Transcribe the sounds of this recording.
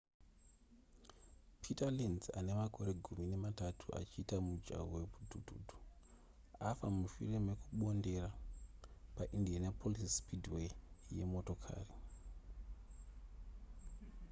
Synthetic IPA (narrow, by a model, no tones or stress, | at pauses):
pʰitalinza̰ne̞mako̞ɾe̞ɡʱumine̞matatʰuʔa̰t͡ʃiːtamud͡ʒa̰wowe̞pudʱudʱṵːdʱu̥ | afamuʃureme̞kuɓo̞nde̞ra | paʔindianjapʰolisispidweje̞̰mo̞to̞kʰa̰ːri